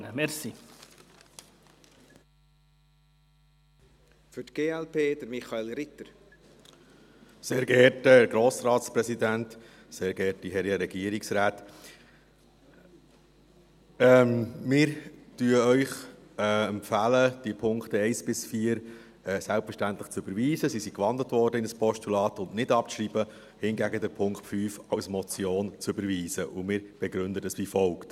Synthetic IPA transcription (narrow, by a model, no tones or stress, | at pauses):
əmɛɾsi | fʏtɡ̥eːɛlpʰeːd̪əɾmiχɑeːlɾɪt̪əɾ | seːɾɡəɛɾtəɡɾoːsɾɑːtspɾɛsid̪ænt | seːɾɡ̥ɛtiɦɛɾiəɾɛɡiəɾiksɾaːt̪ | ɛmmɪːɾtyːəœʏχ | ɛɛmpfæləd̥iəpʰʊŋktəɛɪsb̥ɪsfiːəɾ | ɛsælpfəɾʃtæntləχt͡søbəɾʋiːzəsisikʋɑndətʋɔɾdəɪnəspʰɔʃtulɑːtʊnʔnɪdɑpʃɾib̥ə | hɪnɡæɡədəɾpʰʊŋkχtfyːfɑwsmɔt͡sjoːnt͡sʏbəɾʋiːzəʔumɪːɾb̥ɛɡɾʏndədəsʋifɔlkt